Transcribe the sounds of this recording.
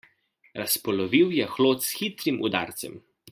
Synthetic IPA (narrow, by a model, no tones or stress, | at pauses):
ɾʔaspɔlɔʋiwjɛxloːt̪sxit̪ɾimʔṵd̪a̰ːɾt̪sɛ̰m